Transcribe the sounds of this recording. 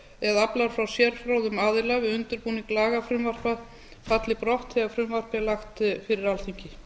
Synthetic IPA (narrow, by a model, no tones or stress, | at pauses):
ɛðaplaɾ̥fɾawsjɛɾ̥fɾawðʏmaːðɪlavɪʏnt̪ʏɾpuːniŋklaːɣafɾʏmvar̥pað | fat̪lɪpɾɔht̪hɪafɾʏmvar̥pɪlaxt̪fɪɾɪɾalθiɲcɪ